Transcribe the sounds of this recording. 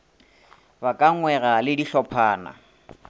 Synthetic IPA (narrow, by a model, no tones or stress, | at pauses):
bakʼaŋ̩ŋwɛralɪdiɬɔpʰaːna̰